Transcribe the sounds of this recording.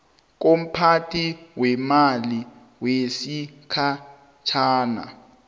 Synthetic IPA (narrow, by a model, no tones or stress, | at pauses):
k̬om̩pʰatʰiwɛmali | wesikʰa | t͡ʃʰaːna̰